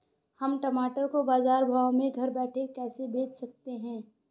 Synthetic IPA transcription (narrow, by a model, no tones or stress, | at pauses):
hɐmʈɐmaːʈəɾkobaːzaːɾbʱaːwmẽɡʱɐɾbɛːʈʰekɛːsebeːt͡ʃsɐk̚t̪eɦɛ̃ː